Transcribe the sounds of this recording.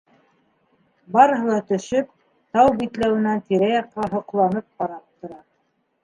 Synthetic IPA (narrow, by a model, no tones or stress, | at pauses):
bɑɾɤ̆ɦɤ̆lˠɑt̪ɵ̆ʃɵp | t̪ɑwbit̪læwɘ̆nænt̪iɾæjɑqːɑɦŏqlˠɑnɤp̚qɑɾɑp̚t̪ŏɾɑ